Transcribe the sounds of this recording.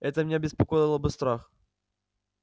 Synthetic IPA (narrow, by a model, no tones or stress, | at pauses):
ɛt̪əmnʲeɐbʲɪspɐkojɪlˠəbɨst̪ɾax